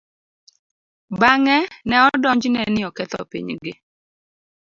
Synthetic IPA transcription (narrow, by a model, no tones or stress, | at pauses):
baŋɛnɛɔdɔɲd͡ʒnɛnɪɔkɛt̪ɔ̰pḭɲɡɪ